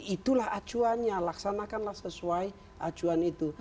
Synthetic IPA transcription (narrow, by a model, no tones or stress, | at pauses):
it̪ulahḁd͡ʒuanɲalaksanakanlahsəsuai | ʔḁd͡ʒuanit̪u